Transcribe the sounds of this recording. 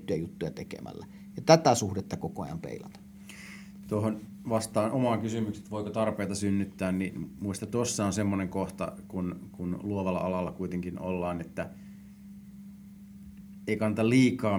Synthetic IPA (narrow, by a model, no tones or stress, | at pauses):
t̪ːyjæjut̪ːujɑt̪ekḛmʔæ̰lːæ | jɑt̪æt̪æsuhdet̪ːɑkokojɑ̰mpḛˑilɑt̪ɑ̥ | t̪ohon | ʋɑst̪ɑːnʔomɑŋkysymykse̥t̪ʋoikot̪ɑrpeˑːt̪ɑsynːyt̪ːæːnninmuist̪ɑt̪osːɑonsemːoneŋkoht̪ɑ̰kunkunluoʋɑlːɑ̰ʔɑlɑlːɑkuit̪eŋkino̰lːɑːnet̪ːæ | eˑikɑnːt̪ɑliːkɑː